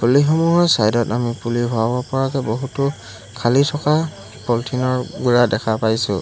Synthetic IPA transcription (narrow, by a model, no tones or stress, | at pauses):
pulixɔmuɦɔjsajdɔtamipulibʱɔabɔpɔɹakɛboɦutʊ | kʰalitʰɔka | pɔltʰinɔɹɡuɹadɛkʰapajsʊ̰